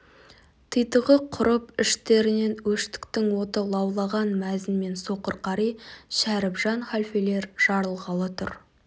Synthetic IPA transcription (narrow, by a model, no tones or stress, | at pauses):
t̪ʰəjt̪əʁəqʰʊɾəpɪʃt̪e̞ɾɪne̞nwɵʃt̪ɪ̥kt̪ɪŋwo̞t̪əlˠɑwlˠɑʁɑnmæzɪnme̞nso̞qəɾqɑɾijʃæɾɪpʒɑnχalʲfele̞ɾʒ̥ɑɾəlˠʁɑlˠət̪ʰʊ̰ɾ